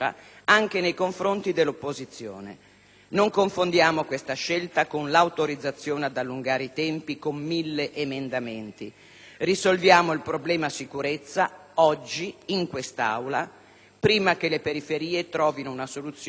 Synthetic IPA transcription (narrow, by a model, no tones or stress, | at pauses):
a̰ | aŋk̟enejkoɱfɾont̪id̪elːopːozit̪sːjo̰ːnḛ | noŋkoɱfond̪jaːmokwest̪aʃːelt̪akonlawt̪oɾid̪zat̪sːjoːnead̪alːuŋɡaːɾeit̪ɛmpikomːilːeʔemend̪ament̪i | risolvjaːmoilpɾoblɛːmasikuɾet̪sːaɔd͡ʒːiiŋkwest̪a̰wla | pɾiːmak̟elepeɾifeɾiːet̪ɾɔːvinounasolut̪sː